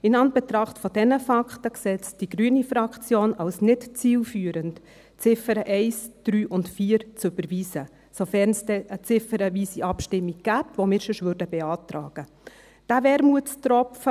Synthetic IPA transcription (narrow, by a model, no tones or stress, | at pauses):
ɪnɑnb̥ɛtɾɑχtfɔd̥ɛnəfɑktəksɛt͡std̥iɡɾyənifɾɑkt͡sjoːnɑlsnɪtt͡siːlfyːəɾənt | t͡sɪfəɾəʔɛɪsd̥ɾyːʔʊntfiːɾt͡sʏb̥əɾviːzə | sofɛɾnsd̥ɛʔət͡sɪfəɾəviːsiʔɑpʃtɪmːiɡ̚ɡ̥æːpvomɪːɾʃəʃvʏɾdəbɛɑːtɾɑ̰ːɡ̥ə | d̥ævɛɾmuətt͡stɾɔfə